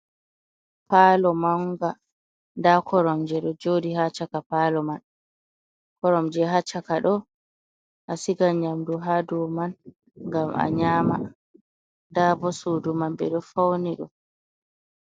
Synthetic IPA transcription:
palɔmaŋɡa | ndakʰɔɾɔmd͡ʒɛɗɔd͡ʒodihat͡ʃakapaːlɔman | kɔɾɔmd͡ʒɛɦat͡ʃakaɗɔ | ʔasiɡaɲamduɦadɔman | ŋɡamʔa̰ɲaːma̰ | dabɔsodumanɓɛ̰ɗɔfawniɗṵm

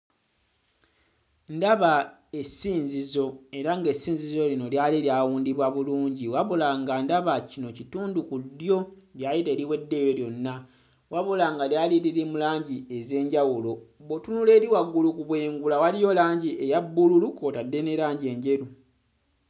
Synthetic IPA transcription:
ndaβa | e̞siːnzizo̞e̞ɾaŋɡe̞siːnzizo̞lino̞ljaliljaːwuːndiβwaβuluːɲɟiwaβulaŋɡandaβacino̞cituːndukudːjo̞ljajite̞ːɾiwe̞dːe̞joljo̞nːa | waβulaŋɡaljaːliɾiɾimulaːɲɟie̞ze̞ːɲɟawulo̞βotunule̞ːɾiwaɡːulukuβwe̞ːŋɡulawalijo̞laːɲɟiʔejabːululukoːtadːe̞ne̞ɾaːɲɟie̞ːɲɟe̞ɾu

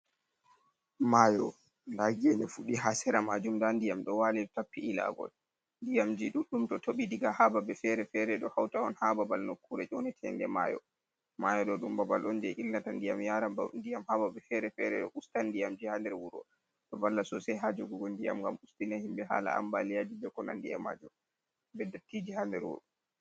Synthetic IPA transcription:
majɔ | ndaɡɛnɛfuɗiɦasɛɾamad͡ʒumdandijamɗɔwalitapːiːla̰ɡɔ̰l | ndijamd͡ʒiɗuɗːumtɔtʰoɓidiɡahababɛfɛɾɛfɛɾɛɗɔhawtaɔnhababalnokːuɾɛt͡ʃɔnɛtʰɛ̰nɡɛ̰ma̰jɔ̰ | majɔɗɔɗumbabalʔɔnd͡ʒɛʔilnatandijamjaɾabandijamhababɛfɛɾɛfɛ̰ɾɛ̰ɗɔʔustandijamd͡ʒihandɛɾwuɾɔ̰ | tɔvalːasɔsɛɦad͡ʒuɡɔɡɔndija̰mŋɡamustinahimbɛɦa̰ːla̰a̰mbalijad͡ʒibɛkɔna̰ndija̰ma̰d͡ʒum | bɛdatːid͡ʒihandɛɾwṵɾɔ

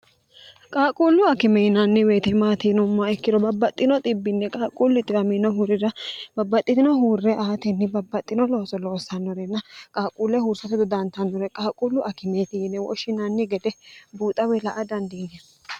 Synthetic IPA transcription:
kʼaːkʼuːlːʊɐkɪmɛnɐnːɪweːt̪ɛmaːt̪ɪnʊmːɐɛkːɪd̪ɔbɐbːɐt̪ʼːɪnɔt̪ʼɪbːɪnːɛkʼaːkʼuːlːɪt̪ɪɾɐminɔɦuɾɪɾɐbɐbːɐt̪ʼːɪt̪ɪnɔɦuːrːɛʔaːt̪ɛnːɪbɐbːɐt̪ʼːɪnɔlo̞ːsɔlo̞ːsɐnːɔɾɛnːɐkʼaːkʼuːlːɛhuːɾsɐt̪ɛd̪ɔd̪ɐnt̪ɐnːɔɾɛkʼaːkʼuːlːʊʔɐkɪmeːt̪ɪnːɛwɔ̰ʃɪnɐnːɪɡɛd̪ɛbuːt̪ʼːɐwɛlɐʔɐd̪ɐnd̪ɪnɛ

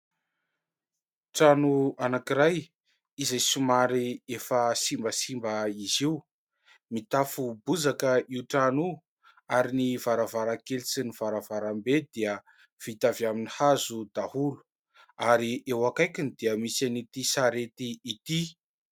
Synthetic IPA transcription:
ʈ͡ʂanuanakiɾaj | izajsumaɾiefəsimbəsimbəiziw | mit̪afubuzakəiwʈ͡ʂanu | aɾinivaɾavaɾakelisiniv̥aɾavaɾambed̪iə | v̥it̪avjaminihazud̪̥ahulu̥ | aɾiewakajkʲinid̪iəmisanit̪isaɾet̪iːt̪i

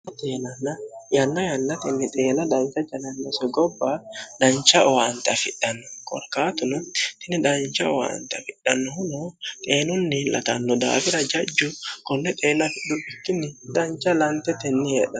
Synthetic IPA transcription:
t̪eːnɐnːɐjɐnːɐjɐnːɐt̪ɛnːɪt̪ʼe̞ːnɐd̪ɐnt͡ʃːɐd͡ʒɐnɐnːɔsɔɡɔbːad̪ɐnt͡ʃːɐʔɔwant̪ɐfɪɗːɐnːɔkɔ̰ɾkaːt̪ʊnʊt̪ɪnːɪd̪ɐnt͡ʃɐɔwa̰ːnt̪ɐfɪɗːɐnːɔhʊnɔt̪ʼeːnʊnːɪlɐ̰t̪ɐnːɔd̪a̰ːfɪɾɐd͡ʒɐd͡ʒːʊkɔnːɛt̪ʼeːnɐfɪɗːʊbɪkːɪnːɪd̪ɐnt͡ʃɐlɐnt̪ɛt̪ɛnːɪjɛᶑɐ

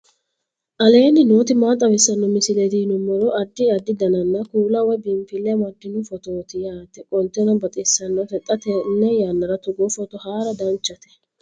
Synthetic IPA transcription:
ʔɐle̞ːnːɪno̞ːt̪ɪmaːt̪ʼːɐwɪsːɐnːɔmɪsɪlɛd̪iːnʊmːɔɾɔʔɐd̪ːɪɐd̪ːɪd̪ɐnɐnːɐkuːlɐwɔjbɪmfɪlːɛmɐd̪ːɪnʊfɔt̪oːt̪ɪjaːt̪ɛkʼɔnt̪ːɛnɐbɐt̪ʼɪsːɐnːɔt̪ɛt̪ʼːɐt̪ɛnːɛjaːnːɐɾɐt̪ʊɡɔfɔt̪ɔhaːɾɐd̪ɐnt͡ʃːɐt̪ɛ̥

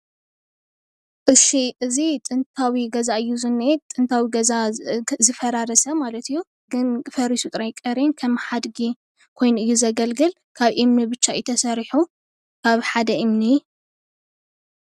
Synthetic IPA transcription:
ʔɨsiʔɨzit̪ʼɨnt̪ʰawiɡɐzaʔɨjːuzɨnːet̪ʼɨnt̪ʰawiɡɐzazɨfɐɾaɾɐsɐmalɐt̪ʰɨjːu | ɡɨnfɐɾisut̪ʼɾajkʼɐɾenkʰɐmħad̪ɡi | kʰo̞jnuɨjːuzɐɡɐlɡɨl | kʰaβʔimnibɨt͡ʃːajɪt̪ʰɐsɐɾħu | kʰaβħad̪ɐʔimni

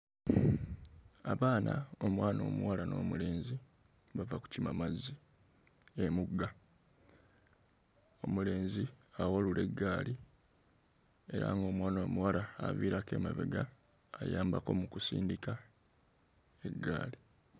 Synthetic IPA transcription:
aβaːnao̞mwaːno̞ːmuwalano̞̰ːmule̞ːnzi | βavaku̥cimamazːi | emuɡːa | o̞mule̞ːnziawalulʔe̞ɡːaːli | e̞ɾa̰ŋɡo̞ːmwaːnomuwalaːviːɾake̞̰ːmaβḛɡaː | jaːmbako̞mukusḭːndika | e̞ɡːa̰ːli

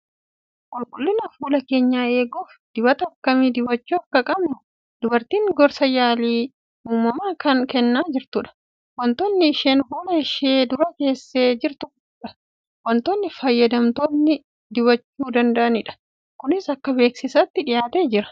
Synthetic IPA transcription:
kʼʊlkʼʊlːɪnɐfuːlɐke̞ːɲːaːe̞ːɡoːf | d̪̥ɪbɐt̪ɐːkːɐmiːd̪ɪbɐt͡ʃːuːɐkːɐkʼɐbnʊ | d̪ʊbɐɾt̪iːŋɡɔɾsɐjaːliː | uːmɐmaːkɐnkɛnːaːd͡ʒɪɾt̪ʊᶑɐ̥ | wɐnt̪oːnːɪɪʃeːnfuːlɐɪʃeːd̪ʊɾɐke̞ːsːe̞ːd͡ʒɪɾt̪ʊ | ᶑɐ̥ | wɐnt̪onːɪfɐjːɐd̪ɐmt̪oːnːɪ | d̪ɪβɐt͡ʃːuːd̪ɐnd̪ɐʔɐnɪᶑɐ̥ | kʊnɪsɐkːɐbe̞ːksɪsɐt̪ːɪᶑɪjaːt̪e̞ːd͡ʒɪɾɐ̥

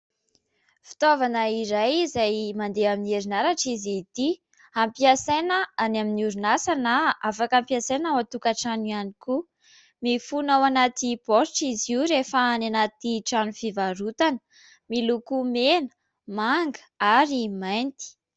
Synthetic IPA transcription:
fi̥t̪ovanəiɾajizajmand̪eamineɾinaɾaʈ͡ʂizit̪i | ampiasanəanaminiuɾunasanaʔafakampiasenawat̪ukaʈ͡ʂanuianiku | mifunawanat̪ipoɾiʈ͡ʂiziuɾefaananat̪iʈ͡ʂanufivaɾut̪anə | milukumenə̥ | maŋɡə̥aɾimajnt̪i̥

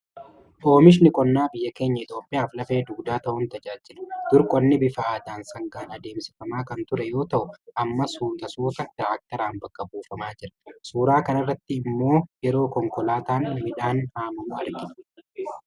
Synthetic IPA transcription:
ʔo̞ːmɪʃ̬nɪkʼɔnːaːbɪjːɐke̞ːɲːɐɪt̪ʼo̞ːpʼːɪjaːflɐfe̞ːd̪uːd̪aːt̪ɐʔʊnt̪ɐd͡ʒaːd͡ʒːɪlɐ̥d̪̥ʊɾkʼɔnːɪbɪfɐaːd̪aːnsɐŋɡaːnɐd̪e̞ːmsɪ̥fɐmaːkɐnt̪ʊɾɛjo̞ːt̪ɐʔʊʔɐmːɐsuːt̪ɐsuːt̪ɐt̪ɾaːk̚t̪ɐɾaːnbɐkːɐbuːfɐmaːd͡ʒɪɾɐ̥suːɾaːkɐnɐrːɐt̪ːɪɪmːo̞ːjɛɾo̞ːkɔŋkɔlaːt̪aːnmɪᶑaːnhaːmɐmʊɐɾɡɪ

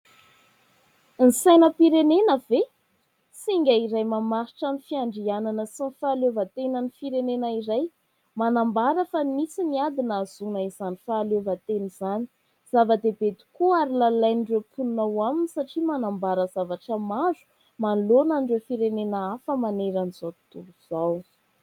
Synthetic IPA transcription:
nisajnəpiɾenenəve | siŋɡʲaiɾajmamaɾiʈ͡ʂamifiaɳɖ͡ʐiananəsinifaːlovət̪enənifiɾenenəiɾaj | manambaɾəfamisiniad̪inaz̥unaizanifaːlovət̪enizani | z̥avəd̪ebet̪i̥kuaɾilalajniɳɖ͡ʐewpʰunnawaminisaʈ͡ʂimanambaɾəz̥avaʈ͡ʂəmazu̥ | manlonanɖ͡ʐewfiɾenenaafəmaneɾaniz̥aw̪t̪uɾuz̥aw

